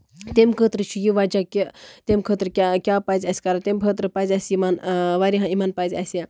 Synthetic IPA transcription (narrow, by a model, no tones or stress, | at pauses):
t̪emkʰəːt̪ɾət͡ʃʰijiʋad͡ʒakʲet̪emkʰəːt̪ɾəkʲakʲapazʲasʲkaɾat̪emkʰəːt̪ɾəpazʲasʲimanʋaɾiɦãimanpazʲasja